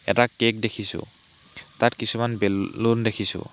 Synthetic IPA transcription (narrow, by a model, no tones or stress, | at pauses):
ɛ̰takːek̚dekʰisʊ̰ | t̪atkisʰumanbellundekʰisʊ̰̃